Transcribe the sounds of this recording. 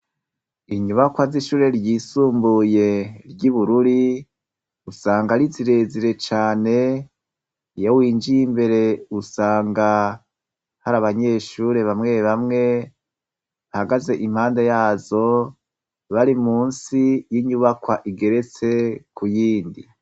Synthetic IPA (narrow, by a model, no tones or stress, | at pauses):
iɲuβakwaziʃuːɾe̞ɾɟiːsuːmbuje̞ɾɟiβuɾuɾi | usaːŋɡaɾiziɾe̞ziɾe̞t͡ʃaːne̞ | jawiːnd͡ʒijimbe̞ɾe̞usaːŋɡa | haɾaβaɲe̞ʃuɾe̞βamŋe̞βamŋe̞ | ahaɡaze̞ʔim̥haːndejaːzo̞ | βaɾimuːnsijiɲuβakwaʔiɡe̞ɾe̞t͡se̞kujiːndi